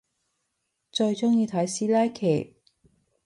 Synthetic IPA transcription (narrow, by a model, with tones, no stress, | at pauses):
t͡sɵ˧ɥt͡sʊ˥ŋjiː˧t̪ʰɐ˨˥jsiː˥laː˥jkʰe˨˩j